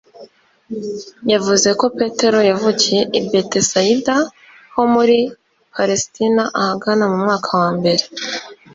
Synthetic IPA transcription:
javuze̞ko̞pe̞te̞ɾo̞javuɟe̞ʔibbe̞tesajida | ho̞muɾi | paɾestinaʔahaɡanamumŋaːkʰawaːmbe̞ɾe

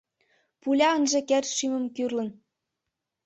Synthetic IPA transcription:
pulʲɑənʒĕkert̪ʃymɤ̆mkyrlə̆n

